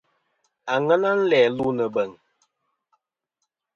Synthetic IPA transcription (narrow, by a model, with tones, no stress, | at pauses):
a˨ŋə˦na˦n̩˦lɛː˨lu˦nə˨bə˨ŋ